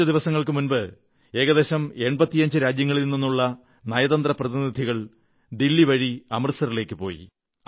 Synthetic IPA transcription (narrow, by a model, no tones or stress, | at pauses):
ɐd̪iʋɐsɐŋːɐɭkɨmunbɨ | e̞ːɣɐðeːɕɐme̞ɳbɐt̪ːijɐɲd͡ʑɨɾaːd͡ʑjɐŋːɐɭilnnːinːuɭːɐ | nɐjɐðɐnd̪rɐprɐðinid̪ʱiɣɐɭ | d̪ilːiʋɐɻiɐmɐrsɐrile̞ːkːɨpo̞ːjḭ